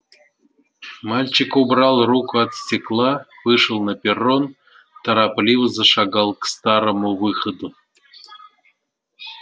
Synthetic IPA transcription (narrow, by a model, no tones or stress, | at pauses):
mɑlʲt͡ɕikobrɑlˠrukɑt̪sʲtʲiklˠɑvɨʂə̆lˠnapʲeron | t̪ɑɾɑplʲivəzɤ̆ʃɑɡɑlˠkst̪ɑɾə̆movɨχə̆d̪o